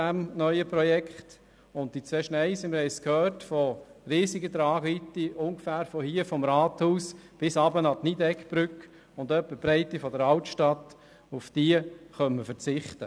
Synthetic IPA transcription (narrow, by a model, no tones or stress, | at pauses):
æmnœʏəpɾɔjɛkχt | ʊnt̚d̥it͡sʋɛːʃnɛɪsiməɾhɛɪskhœːɾtfɔɾiːsiɡət̪ɾɑːɡʋitːiʔʊŋɡfæːɾfɔhiːəfɔmɾɑːthuːsb̥ɪsɑːbənɑtnidɛkb̥ɾʏk | ʊnd̪œpːəb̥ɾɛɪtifɔdəɾɑltʃtɑt̪ | ufd̥iːəχœnməfəɾt͡sɪχt̪ə